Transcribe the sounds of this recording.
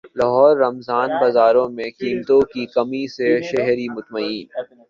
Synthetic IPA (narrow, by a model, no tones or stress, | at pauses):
lɐɦɔːɾːɐmzaːnbɐzaːɾõmẽkɪ̃nt̪õkikɐmiseʃɛɦɾimʊt̪mɐiːn